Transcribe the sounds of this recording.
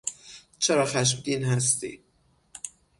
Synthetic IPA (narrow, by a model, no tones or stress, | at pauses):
t͡ʃʰɛɾɒxæʃ̬md̪iːnɦæs̬t̪ḭː